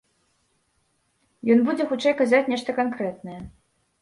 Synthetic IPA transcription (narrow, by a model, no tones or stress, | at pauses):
jɔnbud͡zʲɛxut͡ʂɛjkazat͡sʲnʲɛʂt̪ɐkankɾɛt̪̚nɐjɛ